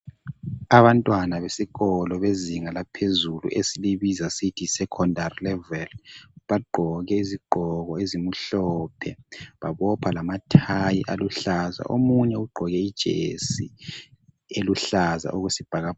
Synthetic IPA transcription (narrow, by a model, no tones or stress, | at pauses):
aβantʼwanaβesiɣɔlɔβeziŋalapʰezulṵʔesiliβizasitʰisɛkʰɔndarilɛvɛlβaɡ͡ǃʱɔɣɛiziɡ͡ǃʱɔɣɔezimuɬɔpʰɛ̰βaβɔpʰalamatʰajiʔaluɬaza̰ʔomuɲɛuɡ͡ǃʱɔɣɛid̥ʒ̥ʱḛsi | eluɬaza̰ʔuɣusib̥ʱaɣa